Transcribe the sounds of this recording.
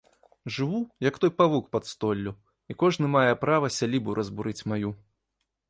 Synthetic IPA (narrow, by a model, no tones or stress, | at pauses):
ʐɨvujɐkt̪ɔjpavukpɐt̪st̪ɔlʲːu | ikɔʐnɨmajɛpɾavɐsʲalʲibuɾʔɐzbuɾɨt͡sʲmaju